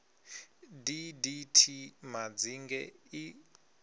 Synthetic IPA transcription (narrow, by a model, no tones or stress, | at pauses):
diditʰimad͡ziŋɡɛi